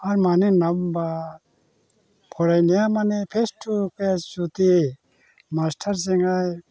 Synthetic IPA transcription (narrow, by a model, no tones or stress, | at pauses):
aɾmaninamba | pʰoɾajnijamanepʰesʈʰukesut̪i | masʈʰɐɾs̬iŋɡaj